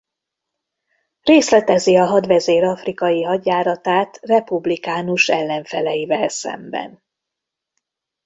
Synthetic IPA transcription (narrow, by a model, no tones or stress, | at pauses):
reːslɛt̪ɛziɒɦɒd̪ʋɛzeːɾɒfrikɒjiɦɒɟjaːɾɒt̪aːt̪rɛpublikaːnuʃɛlːɛɱfɛlɛjivɛlsɛ̰mbɛ̰n